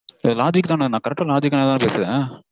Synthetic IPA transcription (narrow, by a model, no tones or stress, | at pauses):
laːd͡ʒɪkːt̪ãːnnãːkɐɾɛk̚ʈːalaːd͡ʒɪkːaneːt̪aːnpeːsɪðẽ